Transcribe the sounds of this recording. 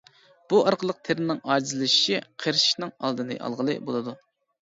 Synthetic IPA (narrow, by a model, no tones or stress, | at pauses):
b̥uʔɑɾqʰəlˠəq̚t̪ʰeɾɪnɪŋɑːɾd͡ʒizɨlɪʃi̥ʃiqʰeɾʃi̥ʃnɨŋɑ̰lˠd̪ɨnɨ̰ʔɑ̰lˠʁəlˠɨ̰bo̰lˠɨd̪u